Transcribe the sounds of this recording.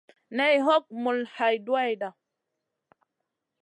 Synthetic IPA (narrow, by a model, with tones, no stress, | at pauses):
nɛ˦jɦɔ˦k̚mu˨lha˨jdwa˦jda˨